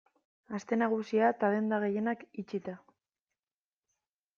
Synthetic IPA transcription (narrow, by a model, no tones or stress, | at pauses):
ast̪e̞naɣ̞usiat̪aðe̞nd̪aɣ̞e̞je̞nakit͡ʃit̪a